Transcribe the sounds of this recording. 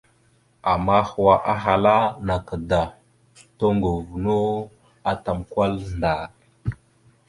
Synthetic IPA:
a˨ma˦xwa˨ʔa˦ɦa˨la˦na˨ka˨da˨ | to˦ŋɡo˨vu˨no˦ | a˦ta˨mkʷa˦lnda˨

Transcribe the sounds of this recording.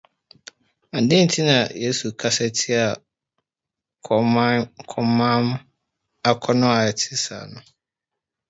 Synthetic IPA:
a˨n̩˨dɪ̃˦n̩˨tʰi˦nã˨je˦su˨kʰa˦sɛ˦tʰi˦a˨ | kʰɔ˨˦˨kʰɔ˦mã˦m˦ | a˨kʰɔ˦nʊ̃˦a˨ɛ˨tʰɪ̥˦sa̰˨nʊ̃˨

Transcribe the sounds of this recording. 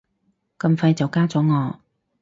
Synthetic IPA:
kɐ˧mfɐ˧jt͡sɐ˨wkaː˥t͡sɔː˨˥ŋɔː˨˧

